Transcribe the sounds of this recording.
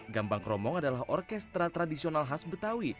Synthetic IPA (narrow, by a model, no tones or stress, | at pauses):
ɡambaŋkɾɔmɔŋadalaɦʔɔrkɛst̪ɾat̪ɾadisionalɦasbət̪awi